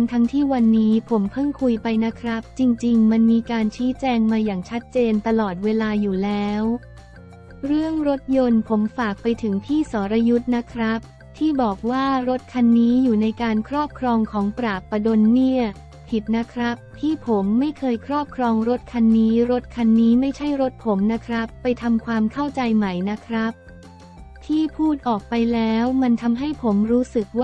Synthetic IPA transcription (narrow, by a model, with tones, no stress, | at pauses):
nt̪ʰa˦˥ŋt̪ʰiː˥˩wa˧nːiː˦˥pʰo˩˦mpʰɯ˥˩ŋkʰu˧jpa˧jna˦˥kʰɾa˦˥p̚t͡ɕi˧ŋt͡ɕi˧ŋma˧nmiː˧kaː˧nt͡ɕʰiː˦˥t͡ɕɛː˧ŋmaː˧jaː˨˩ŋt͡ɕʰa˦˥t̪̚t͡ɕeː˧nt̪a˧lɔː˨˩t̪̚weː˧laː˧juː˨˩lɛː˦˥w | ɾɯ˥˩əŋɾo˦˥t̪̚jo˧npʰo˩˦mfaː˨˩k̚pa˧jt̪ʰɯ˩˦ŋpʰiː˥˩sɔː˩˦ɾa˧ju˦˥t̪̚na˦˥kʰɾa˦˥p̚ | t̪ʰiː˥˩bɔː˨˩k̚waː˥˩ɾo˦˥t̪̚kʰa˧nːiː˦˥juː˨˩na˧jkaː˧nkʰɾɔː˥˩p̚kʰɾɔː˧ŋkʰɔː˩˦ŋpɾaː˨˩kpːa˧do˧nːi˥˩ɐ | pʰi˨˩t̪̚na˦˥kʰɾa˦˥pʰːiː˥˩pʰo˩˦mːa˥˩jkʰɤː˧jkʰɾɔː˥˩p̚kʰɾɔː˧ŋɾo˦˥t̪̚kʰa˧nːiː˦˥ɾo˦˥t̪̚kʰa˧nːiː˦˥ma˥˩jt͡ɕʰa˥˩jɾo˦˥t̪̚pʰo˩˦mna˦˥kʰɾa˦˥pːa˧jt̪ʰa˧mkʰwaː˧mkʰa˥˩wt͡ɕa˧jma˨˩jna˦˥kʰɾa˦˥p̚ | t̪ʰiː˥˩pʰuː˥˩t̪̚ʔɔː˨˩k̚pa˧jlɛː˦˥wma˧nt̪ʰa˧mɦa˥˩jpʰo˩˦mɾuː˦˥sɯ˨˩k̚w